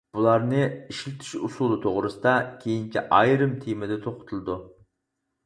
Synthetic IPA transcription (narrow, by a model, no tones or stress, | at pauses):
b̥ulˠɑɾnɨiʃlɪt̪ʰɪ̥ʃusulˠɨt̪ʰoʁɾɨsɨd̪ɑkʲʰejinkʲʰiʔɑjɾɨmt̪ʰemɪd̪ɛt̪ʰoqʊ̥t̪ʰulˠɨd̪u